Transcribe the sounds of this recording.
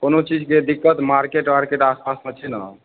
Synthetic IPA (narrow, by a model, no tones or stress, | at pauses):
konot͡ʃid͡ʒked̪ikːət̪maɾkeʈmaɾkeʈaspasmet͡ʃʰɛnə